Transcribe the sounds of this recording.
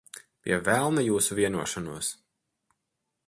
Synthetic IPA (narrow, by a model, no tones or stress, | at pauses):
pʲḭɛvælˠnajuːsuvʲiɛnuɔʃanuɔs